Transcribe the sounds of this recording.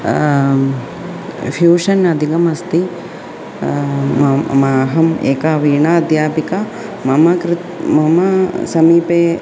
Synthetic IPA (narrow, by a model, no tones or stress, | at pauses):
fʰjuːʂɐnɐd̪ʱiɡɐmɐst̪i | maːɦɐmḛːkaʋiːɳaɐd̪jaːpikɐ | mɐmɐkɾɪt̪mɐmɐsɐmiːpeː